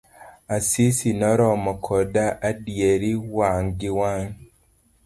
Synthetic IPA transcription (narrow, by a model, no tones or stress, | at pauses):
asisinɔɾɔmɔkʰɔdaʔadieɾiwaŋɡiwaŋ